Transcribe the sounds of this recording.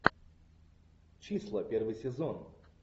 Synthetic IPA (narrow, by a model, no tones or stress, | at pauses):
t͡ɕislˠəpʲervɨjsʲɪzɔn